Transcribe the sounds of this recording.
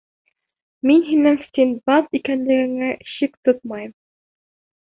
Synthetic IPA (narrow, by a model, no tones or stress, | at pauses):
minɦinɘŋst̪ʲinbɑzikænlɘ̆ɡɘ̆ŋæɕikt̪ot̪̚mɑjɤm